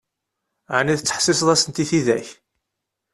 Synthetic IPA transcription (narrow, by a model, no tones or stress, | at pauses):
ʕaniðət͡sːə̥ħsɪsðˤæsənt̪iθiðæç